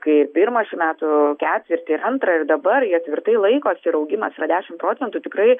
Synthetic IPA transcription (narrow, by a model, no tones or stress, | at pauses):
kɐɪɪrpʲɪɾmɐʃʲɪmʲæːt̪ʊkʲæːt̪ʲʋʲɪɾʲt̪ʲɪɪɾɐnt̪ɾɐɪrd̪ɐbɐriɐt̪ʲʋʲɪrt̪ɐɪlˠɐɪkoːsɪɾɐʊɡʲɪmɐsɾɐd̪ʲæːʃʲɪmpɾoːtt͡sʲɛnt̪ʊt̪ʲɪkɾɐɪ